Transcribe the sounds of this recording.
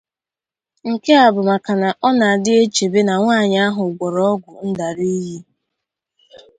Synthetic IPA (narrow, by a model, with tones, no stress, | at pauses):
ŋ̩˨ke˦a˨bʊ˨ma˨ka˨na˨ʔɔ˦na˨a˨dɪ˦e˦t͡ʃe˨be˦na˨ŋʷaː˦˨ɲa˦ɦʊ˨ɡʷɔ˨ɾɔ˦ɔ˦ɡʷʊ˨n̩˦da˨ɾi˦ji˦